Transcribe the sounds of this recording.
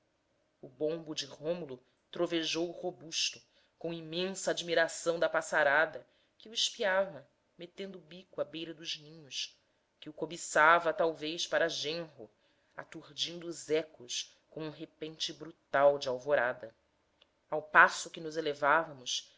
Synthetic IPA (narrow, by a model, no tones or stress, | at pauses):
ʊbõmbʊd͡ʒɪʁõmulʊ | t̪ɾoveʒowʊhobuʃt̪ʊ | kõimẽsɐad͡ʒmiɾasɐ̃w̃d̪ɐpasaɾad̪ɐ | kɪʊiʃpiavɐ | met̪ẽnd̪ʊbikʊabejɾɐd̪ʊʒnĩɲʊʃ | kɪʊkobisavɐt̪awvejʃpaɾɐʒẽɦʊ | a̰t̪uɾd͡ʒĩnd̪ʊːzɛkʊʃ | kõũɦepẽnt͡ʃɪbɾut̪awd͡ʒɪawvoɾad̪ɐ | awpasʊkɪnʊzelevavɐmʊʃ